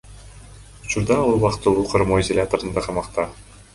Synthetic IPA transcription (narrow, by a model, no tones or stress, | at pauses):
ut͡ʃuɾd̪ɑlˠuβɑqt̪ɯlˠuːqʰoɾmoizolʲat̪oɾɯnd̪ɑqʰɑmɑqt̪ɑ